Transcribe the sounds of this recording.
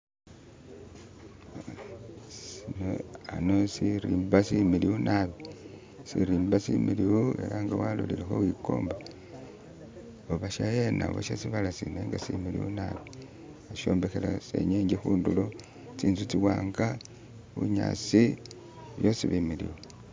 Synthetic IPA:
sinoanosiɾiːmbasimiliwunʔaβi | siɾiːmbasimiliwuḛɾaŋɡawalo̰liɾexowiko̞̰ːmba | oβaʃajenaβo̰ʃasiβalasineŋɡasḭmilḭwṵnaβi | aʃo̞ːmbexelasḛɲeːɲɟexuːndulo | t͡siːntut͡siwaːŋɡa | βṵɲa̰t͡si | βjosiβimilḭwu

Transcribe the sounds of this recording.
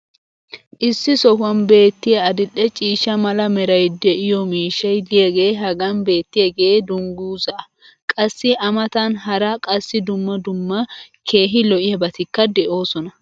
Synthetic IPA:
ʔɪsːɪsɔhɐnbe̞ːt̪ːɪjɐɐd̪ɪlːɛt͡ʃʼiːʃɐmɐlɐmɛɾɐjd̪ɛʔɪjɔmiːʃːɐjd̪ɪjɛɡeːɦɐɡɐmbe̞ːt̪ːɪjɛɡɛed̪ʊŋɡuːzɐʔɐ | kʼɐsːɪɐmɐt̪anɦɐɾɐkʼɐsːɪd̪ʊmːɐd̪ʊmːɐkʰe̞ːɦɪlɔʔɪjɐbɐt̪ɪkːɐd̪ɛʔo̞ːsɔnɐ

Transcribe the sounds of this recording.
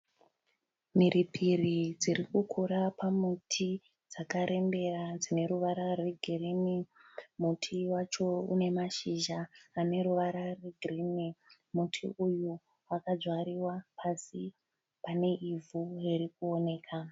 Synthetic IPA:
miripʰirid͡zirikukʰuɾapamutʰi | d͡zakaɾe̞mbe̞rad͡zine̞ɾuʋaɾarweɡʱirinimutʰiwat͡ʃo̞ṵne̞maʃiʒaːne̞ɾuʋaɾarweɡʱrini | mutʰḭʔuju | wakad͡zwaɾiwapʰasi | pane̞ʔivʱuriɾikuo̞ne̞ːkʰa

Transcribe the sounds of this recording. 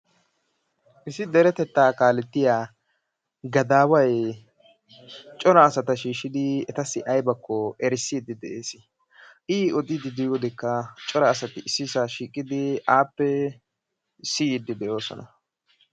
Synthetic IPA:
ʔɪsɪd̪ɛɾɛt̪ɛt̪ːaːkaːlɛt̪ːɪjaː | ɡɐd̪aːwɐj | t͡ʃʼɔɾɐːsɐt̪ɐʃiːʃːɪd̪ɪɛt̪ɐsːɪʔɐjbɐkːɔɛɾɪsːɪd̪ːɪd̪ɛʔeːsɪ | ʔiːɔd̪ɪd̪ɪd̪ɪjɔd̪ɪkːɐt͡ʃʼɔɾɐːsɐt̪ɪɪsːɪsaʃiːkʼːɪd̪ɪaːpːɛ | sɪjɪd̪ːɪd̪ɛʔo̞ːsɔ̰nɐ

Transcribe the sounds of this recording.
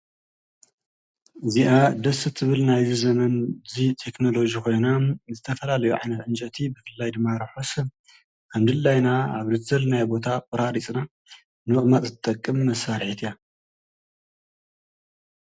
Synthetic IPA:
ɨziʔad̪ɐsɨt̪ʰɨβɨlnajzizɐmɐnzit̪ʰe̞kno̞lo̞d͡ʒiko̞jnazɨt̪ʰɐfɐlalɐjuʕa̰jnɐt̪ʕɨnt͡ʃʼɐt̪ʰibɨfɨlːajd̪ɨmːaɾɐħos | amd̪ɨlːajnaaβzɨt̪ʰzɐlnajbo̞t̪ʰapʼɨɾaɾit͡sʼna | nɨɨχʼmat̪ʼzɨɨt̪ʼɐkʼːɨmːɐsːaɾħit̪ʰija

